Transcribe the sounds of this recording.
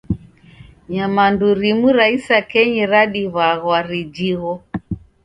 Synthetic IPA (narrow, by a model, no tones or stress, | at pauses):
ɲamanduɾimuɾaisakɛɲiɾaɗiβaɣwaɾid͡ʒiɣɔ